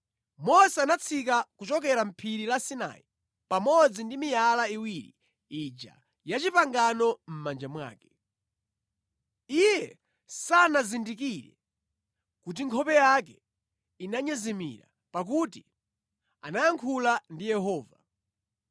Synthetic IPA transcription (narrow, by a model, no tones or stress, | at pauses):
mɔsɛanat͡sʰik̬akut͡ʃɔk̬ɛɾam̩pʰiɾilasina̰jḭ | pamɔd͡zindimijalaiwiɾḭ | id͡ʒa̰ | jat͡ʃipaŋɡanɔm̩mand͡ʒamwa̰ːkɛ̥ | ijɛ | sanazindik̬iɾɛ̰ | kut̬iŋkʰɔpɛjak̬ɛ | inaɲɛzɛmḭɾa̰ | pak̬uti | anajaŋkʰulandijɛɦɔːva